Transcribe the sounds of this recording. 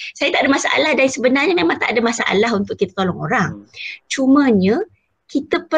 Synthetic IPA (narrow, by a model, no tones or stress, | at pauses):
sajat̪aʔadəmasaʔa̰lahdaɾisəbənarɲamẽmaŋt̪aʔadəmasaʔa̰laɦunt̪ʊʔ̚kit̪ḁk̪olɔŋo̰ɾaŋt͡ʃumə̃ɲə | kit̪əpə